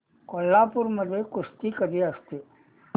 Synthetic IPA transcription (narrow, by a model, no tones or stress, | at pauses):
kolːaːpʊɾməd̪ʱekʊst̪ikəd̪iəst̪e